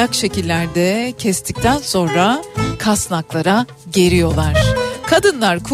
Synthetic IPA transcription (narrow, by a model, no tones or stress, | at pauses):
akʃe̞cilʲːæɾd̪ɛcʰɛst̪ʰic̚t̪ʰænso̞nɾakʰasnaklˠaɾa | ɟe̞ɾijo̞lˠaɾ̥kʰad̪ɯnlˠaɾkʰu